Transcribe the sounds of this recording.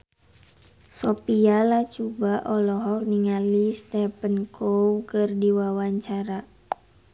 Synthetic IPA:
sɔpialat͡ʃubaʔɔlɔɦɔk̚niŋalist̪ɛpənkʰowkɨrdiwawaɲt͡ʃaɾa

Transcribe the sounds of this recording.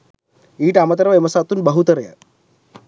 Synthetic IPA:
iːʈamɐt̪ɐɾʋemɐsat̪uːnbəɦut̪əɾjə̰

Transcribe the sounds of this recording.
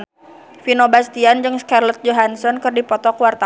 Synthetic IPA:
finɔbast̪iand͡ʒɨŋskarlɛt̪̚d͡ʒoɦansɔnkɨrdipɔt̪ɔkuwart̪a

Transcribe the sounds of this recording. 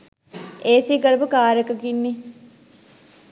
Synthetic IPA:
eːsiːkəɾəbukaːɾjəkəkinːi

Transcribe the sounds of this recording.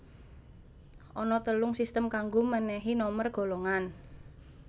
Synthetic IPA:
ʔɔnɔt̪əlʊŋsist̪əmkaŋɡomənɛɦinɔmərɡ̥o̤lɔŋan

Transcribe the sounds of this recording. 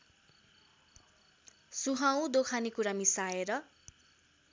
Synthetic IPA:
suɦaw̃d̪okʰanikuɾamisaeɾʌ

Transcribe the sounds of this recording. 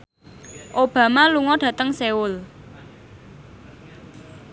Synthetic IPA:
ʔob̥ä̤maluŋɔɖ̥ä̤t̪əŋseʊl

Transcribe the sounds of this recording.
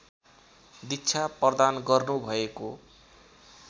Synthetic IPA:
d̪itːt͡sʰaprʌd̪anɡʌrnubʱʌeko

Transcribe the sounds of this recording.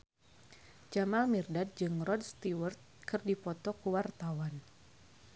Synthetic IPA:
d͡ʒamalmirdat̪̚d͡ʒɨŋrɔd̚st̪iwərt̪̚kɨrdipɔt̪ɔkuwart̪awan

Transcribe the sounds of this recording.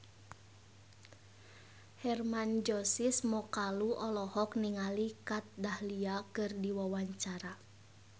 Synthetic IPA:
hɛrmand͡ʒɔsismɔkaluʔɔlɔhɔk̚niŋalikat̪̚dahliakɨrdiwawaɲt͡ʃaɾa

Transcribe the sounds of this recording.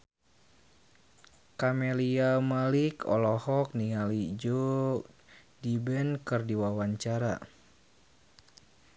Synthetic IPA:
kameliamalikɔ̰lɔhɔk̚niŋalid͡ʒo | dibɛnkɨrdiwawaɲt͡ʃaɾa̰

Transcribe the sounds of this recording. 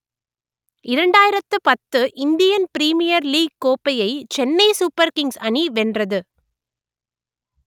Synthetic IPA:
ɪɾɐɳɖaːjɪɾɐt̪ːɯpɐt̪ːɯʔɪnd̪ɪjɐnpɪɾiːmɪjɐɾliːɡ̚kːoːpːɐjɐɪt͡ʃɛnːɐɪsupːɐɾkɪŋɡsɐɳiʋɛndrɐðɯ

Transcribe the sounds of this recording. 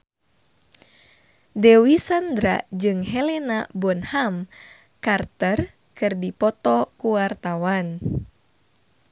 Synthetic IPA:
dɛwisand̪ɾa̰d͡ʒɨŋɦɛlɛnabɔnham | kart̪ər | kɨrdipɔt̪ɔkuwart̪awan

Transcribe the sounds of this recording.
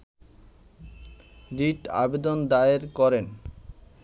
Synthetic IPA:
d̪iʈa̰bed̪ond̪aeɾkɔɾen

